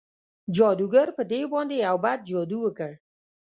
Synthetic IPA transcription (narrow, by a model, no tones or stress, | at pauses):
d͡ʒɔd̪uɡaɾpəd̪ebɑnd̪eawbad̪̚d͡ʒɔd̪uwəkəɽ